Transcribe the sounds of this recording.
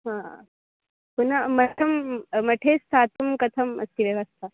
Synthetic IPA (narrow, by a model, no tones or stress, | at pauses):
ɦã | punamɐʈʰɐmmɐʈʰeːst̪ʰat̪umkɐt̪ʰɐmɐ̰st̪iʋjɐʋɐst̪ʰa